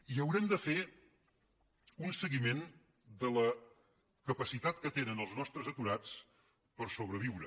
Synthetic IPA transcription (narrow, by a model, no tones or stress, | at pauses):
iəwɾɛmd̪əfe | unsəɣimen | d̪ələ | kəpəsit̪at̪kət̪enənəlˠznɔst̪ɾəzət̪uɾat͡s | pəɾsoβ̞ɾəβiwɾə